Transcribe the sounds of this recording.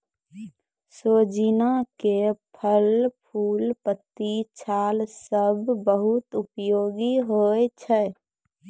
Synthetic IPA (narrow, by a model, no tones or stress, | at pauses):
soːd͡ʒinakepʰəlpʰuːlpət̪ːit͡ʃʰaːlsəbbəɦut̪upjoːɡiɦoet͡ʃʰɛ